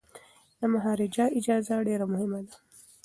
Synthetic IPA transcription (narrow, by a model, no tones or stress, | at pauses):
d̪amaɦɑɾid͡ʒaʔid͡ʒɑːzaɖeɾamʊhɪmad̪a